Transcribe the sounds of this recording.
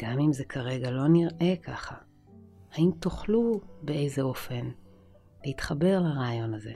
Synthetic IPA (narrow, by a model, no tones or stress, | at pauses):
ɡ̥amimzekʰaʁe̞ɡalo̞niʁʔe̞kʰaχa | haimt̪oχlubeejzeo̞fe̞n | lehitχabe̞ʁlaʁaːjo̞naze̞̰